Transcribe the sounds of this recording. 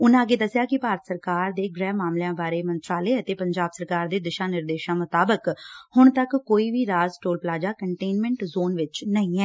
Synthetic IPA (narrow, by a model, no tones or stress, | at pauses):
ʊnãːəɡeːd̪əsɪjaːkɪpaːɾət̪səɾkaːɾd̪eːɡɾɛːmaːmljãːbaːɾeːmənt̪ɾaːleːət̪eːpəɲd͡ʒaːbsəɾkaːɾd̪eːd̪ɪʃaːnɪɾd̪eːʃãːmʊt̪aːbəkhʊɳ̃t̪əkːoːiːʋiːɾaːzʈoːlplaːd͡ʒaːkəɳʈeːnmɛ̃ɳʈzoːnʋɪt͡ʃnəĩːɛː